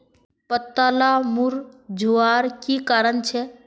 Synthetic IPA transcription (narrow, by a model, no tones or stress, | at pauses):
pət̪ːaːlamuɾd͡ʒʱuaːɾkikaːɾənt͡ʃʰɛ